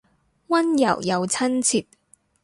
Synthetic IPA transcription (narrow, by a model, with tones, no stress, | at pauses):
wɐ˥njɐ̰˨˩wjɐ˨˧wt͡sʰɐ˥nt͡sʰi˨t̚